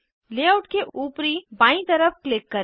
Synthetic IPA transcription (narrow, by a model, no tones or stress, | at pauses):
leːaʊʈkeʔuːpɾibãːĩt̪ɐɾəfklɪkːɐɾ